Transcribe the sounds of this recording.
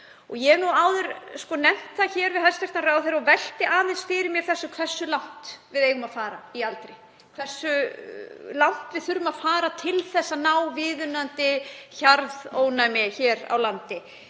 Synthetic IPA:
ɔjɛnuaːwðʏɾskɔnɛm̥t̪θaçɛːɾvɪðhɦasɛkt̪naɾaawθejɾɔvɛl̥t̪ɪʔaːðɪnsfɪːɾʏmjɛɾθɛsːʏkʰv̥ɛrsːʏlawn̥t̪vɪðeːjɣʏmaðfaːɾa̰ialt̪ɾɪ | kʰvɛrsːʏ | lawn̥t̪vɪðθʏɾːʏmaðfaːɾat̪ʰɪlθɛsːanaːwvɪːðʏnant̪ɪçaɾðoːwnamɪçɛːɾa̰wlant̪ɪ

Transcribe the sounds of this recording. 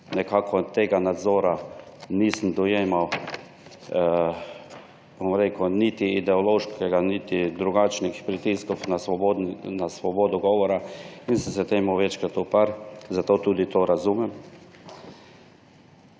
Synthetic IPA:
nɛkaːkʰɔt̪eːɡanad̪zoːɾanisəmd̪ɔjeːmaw | b̥omɾeːkʊnit̪iːd̪ɛɔloʃkɛɡanit̪id̪ɾuɡaːt͡ʃnixpɾit̪iskɔfna | nasʋɔboːd̪ɔɡɔʋɔɾainsəsɛt̪eːmuʋɛt͡ʃkɾat̪upaɾzat̪oːt̪uːd̪it̪oːɾazumɛm

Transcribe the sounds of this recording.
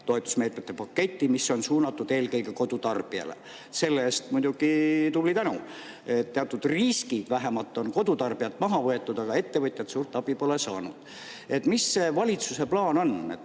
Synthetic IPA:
t̪o̞et̪ːˑu̥sme̞ːt̪met̪ːe̞pɑkːe̞t̪ʲːimisːo̞nsuːnɑt̪ːud̪̥e̞ːlkɤjɡeko̞d̪̥ut̪ɑrb̥iɑ̰lḛ | se̞lːeest̪mud̪ʲuɡ̥it̪ublːit̪ænu | et̪ːeɑt̪ːˑud̪̥riskid̪̥væɦe̞mɑlt̪ːˑo̞nko̞d̪ut̪ɑrb̥iɑt̪ːˑmɑɦɑvɤe̞t̪ːˑud̪ɑɡ̥ɑe̞t̪ːe̞vɤt̪ʲˑjɑt̪suːrt̪ːˑeɑb̥ipo̞lesɑːnud̪̥ | e̞t̪misːe̞vɑlʲit̪suse̞plɑːno̞nḛt̪

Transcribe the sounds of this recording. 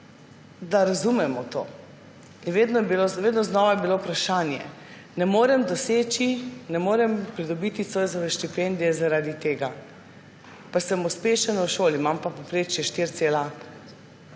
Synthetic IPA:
d̪aɾazumɛmɔt̪o̰ː | ɛnʋeːd̪nɔjɛbiloʋeːd̪nɔznɔːʋajɛbiloupɾaʃaːnjɛ̰ | nɛmoːɾɛmd̪ɔseːt͡ʃinɛmoːɾɛmpɾid̪ɔbit̪it̪soːjzɔʋɛʃt̪ipend̪ijɛzaɾaːd̪it̪eːɡa | pasɛmuspeːʃɛnwʃoːlimampapopɾeːt͡ʃjɛʃt̪iɾt̪seːla

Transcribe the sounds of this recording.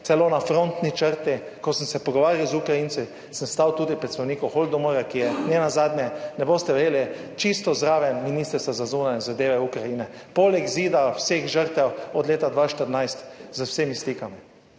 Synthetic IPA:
sɛlonafɾont̪nit͡ʃəɾt̪i | kɔsəmsɛpɔɡɔʋaːɾjiwzukɾajint̪si | səmst̪awt̪uːd̪ipɾɛt̪st̪awniːkɔxold̪ɔmɔɾjakijɛnɛnazaːd̪nʲjɛnɛboːst̪ɛʋelit͡ʃist̪ɔzɾaːʋɛnminist̪əɾst̪azazunanzad̪eːʋɛukɾajiːnɛ | polɛɡziːd̪awsexʒəɾt̪ɛwɔd̪lʲeːt̪ad̪ʋaʃt̪əɾnajst̪zəwsemislikami

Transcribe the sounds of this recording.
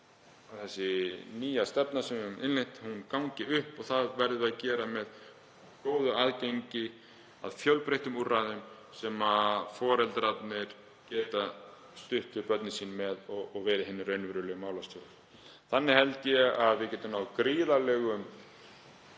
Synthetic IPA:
aθɛsːɪniːjast̪ɛpnasɛmvmɪ̰nlejht̪hunkawɲcɪʏhpɔɣθaðvɛɾðʏaðcɛːɾamɛð | koːwðʏaːðcejɲcɪ | a̰ðfjœwlpɾeht̪ʏmuraðʏm | sɛːmafɔːɾɛlt̪ɾat̪nɪɾ̥ | cɛːt̪a | st̪ʏht̪ʏpœt̪nɪsiːnmɛðɔɔɣvɛːɾɪɦɪnːɪrœːɥnvʏɾʏlɛɣmaːwlast̪oːlɾ | θanːɪhɛlt̪jɛaðvɪðcɛːt̪ʏmawkɾiːðalɛːɣʏm

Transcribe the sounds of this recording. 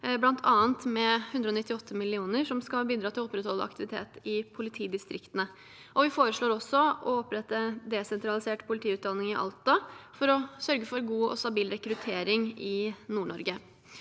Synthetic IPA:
blɑnt̪ʰɑːənt̪mɛhʉnd̪ɾɔnɪt̪ːɪɔt̪ʰːəmɪlɪuːnəʂɔmskɑbiːd̪ɾɑːt̪ɪlɔɔpːɾɛt̪hɔlːə̰ɑ̰kt̪ɪʋɪt̪ʰeːt̪ɪpʰʊlɪt̪ʰiːd̪ɪst̪ɾɪkt̪ənə | ʔɔʋɪfoːɾəʂɭoːɾɔsɔɔɔpɾɛt̪ːəd̪ɛsɛnt̪ɾɑlɪseːʈpʰʊlɪt̪ʰiːʉt̪̚d̪ɑnːɪŋɪʔɑ̰lt̪ɑfɔɾɔsœɾɡəfɔɾɡuːɔ̰st̪ɑbiːlɾɛkɾʉt̪ʰeːɾɪŋɪnuːɳɔ̰ɾɡə

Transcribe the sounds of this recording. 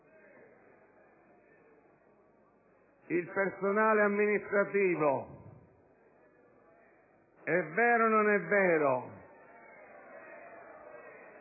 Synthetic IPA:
ilpeɾsonaːleamːinist̪ɾat̪iːvo | ɛvɛːɾonɔnɛvːɛːɾo

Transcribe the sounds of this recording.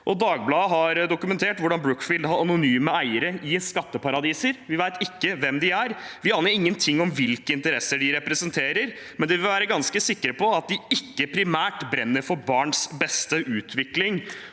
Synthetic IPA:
ʔɔd̪ɑːɡ̚blɑːəɦɑɾd̪ʊkʉmɛnt̪ʰeːʈʋʊɖɑnbɾʉkfɪld̪hɑɾɑnʊnyːməæɪəɾəɪskɑt̪ːəpɑɾɑd̪iːsəɾʋɪʋæɪt̪ɪkːəʋɛmd̪ɪæɾʋɪɑːnəɪŋːənt̪ʰɪŋːɔmʋɪlkəɪnt̪əɾɛsəɖɪɾɛpɾɛsənt̪ʰeːɾəɾ | mɛnd̪ɛʋɪlʋæːɾəɡɑnskəsɪkːəɾəpʰɔɑt̪̚d̪ɪɪkːəpʰɾɪmæːʈbɾɛnːəɾfɔɾbɑːɳsbɛst̪əʔʉːt̪ʰʋɪklɪŋ

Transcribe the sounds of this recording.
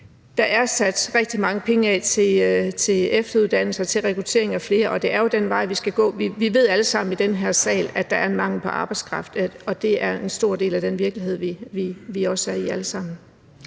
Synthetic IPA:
d̥ɑ̈ʔæɐsæd̥ʁɛɡ̥̚d̥imɑ̈ŋəpʰeŋəɛt͡sʰe̝lt͡sʰe̝lefd̥ɐuðˠd̥æn̰l̩sɐt͡sʰe̝lʁɛɡ̥ʁut͡sʰe̝̰ɐ̰e̝ŋ̩æfle̝ːɐʔɒ̽d̥e̝æɐjo̝d̥enʋɑ̈ɪ̰ʋisɡ̥æɡ̥ɔ̰̽ːʋiʋiʋe̝ð̞̰ˠæləsɑ̈m̰n̩id̥enɦeɐ̰sɛ̰ːɪlæd̥ɑ̈æɐenmɑ̈ŋ̩pʰɒ̽ʔɑ̈ːb̥ɑ̈ɪ̥skʰʁɑ̈fd̥ɒ̽d̥e̝ʔæɐe̝nsd̥o̝ɐ̰d̥e̝̰ːlæd̥enʋiɐɡ̥liɦe̝ð̞̰ˠʋiʋiʋiɒ̽sæɐiæləsɑ̈m̰n̩

